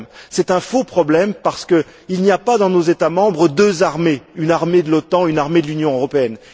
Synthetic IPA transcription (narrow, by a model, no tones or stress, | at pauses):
sɛt̪ɛ̃fopχɔblɛmpaʁsə̥kə | ilnijapad̪ɑ̃nozet̪amɑ̃bʁəd̪øzaʁmeynaʁmed̪əlɔt̪ɑ̃ynaʁmed̪əlynjɔ̃øʁɔpeɛn